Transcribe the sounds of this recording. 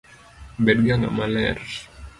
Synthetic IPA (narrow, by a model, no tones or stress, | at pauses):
bɛd̚ɡaŋa̰malɛrs